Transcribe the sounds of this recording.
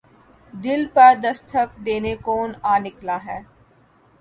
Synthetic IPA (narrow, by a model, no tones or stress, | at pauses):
d̪ɪlpɐɾd̪ɐst̪ʰək̚d̪eːnekoːnaːnɪklaːɦɛː